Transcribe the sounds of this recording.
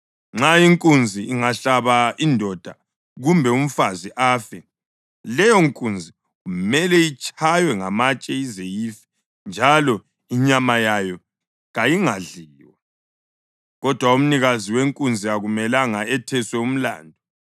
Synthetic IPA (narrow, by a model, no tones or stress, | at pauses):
ŋ͡ǁaiŋkʼund͡zʱiiŋaɬaβaindʱɔd̥ʱa | ɣumbʱɛum̩faziʔaːfɛ | lɛjɔŋkʼund͡zʱi | ɣumɛlɛit͡ʃʼajwɛŋamat͡ʃʼɛizejifɛ̥ | nd͡ʒʱalɔ | iɲamajajɔ | ɣajiŋaɮiːwa | ɣɔd̥ʱwaum̩niɣaziweŋkʼund͡zʱiaɣumɛlaŋaɛtʰɛswɛum̩la̰ːndʱɔ